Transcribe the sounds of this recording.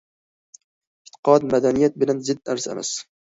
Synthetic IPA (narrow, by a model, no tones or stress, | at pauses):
ɪt̪ʰɪ̥qɒd̪mad̪anijat̪̚bɪlanzɪd̪aɾsḛma̰s